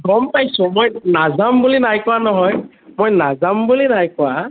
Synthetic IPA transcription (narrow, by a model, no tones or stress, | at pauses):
ɡɔmpajsʊ̃mojnazambulinajkʊwanɔɦɔj | mojnazambulinajkʊwa